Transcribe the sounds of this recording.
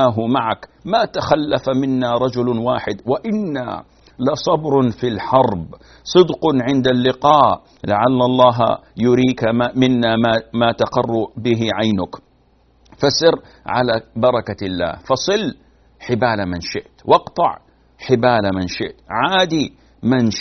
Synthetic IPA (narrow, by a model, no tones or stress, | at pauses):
aːɦʊmaʕakmat̪axalːafamɪnːaɾˤɑd͡ʒʊlwaːħɪd̪waʔɪnːa̰ | lɪsˤɑbɾfilħɑɾˤb | sˤɨd̪qʊʕɪnd̪alːɪqɑːʔ | laʕalːɑlˤːɑːɦjʊɾiːkamɪnːamamaːt̪aqɑrˤːʊbɪɦɪʕajnʊk | fasɪɾ | ʕa̰labɑɾˤɑkalːa̰ːhfɑsˤɨlː | ħɪbaːlamɪnʃɪʔt̪wɑqt̪ˤɑ̰ʕ | ħɪbaːlamɪnʃɪʔt̪ʕaːd̪i | mɪn